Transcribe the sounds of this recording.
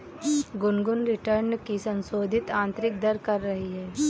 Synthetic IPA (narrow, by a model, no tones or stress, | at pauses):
ɡʊnɡʊnɾɪʈəɾnkisɐ̃nsoːd̪ʱɪt̪ãːnt̪ɾɪk̚d̪ɐɾkɐɾːɐɦiɦɛː